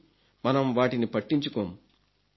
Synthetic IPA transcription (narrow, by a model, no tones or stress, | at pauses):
mɐnɐmʋaːʈinipɐʈːiɲt͡ʃukoːmu